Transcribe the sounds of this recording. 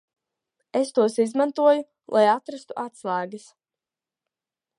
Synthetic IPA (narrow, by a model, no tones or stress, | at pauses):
est̪uɔsizmant̪uɔju | lˠʔajat̪ɾast̪uʔat̪slˠaːɡis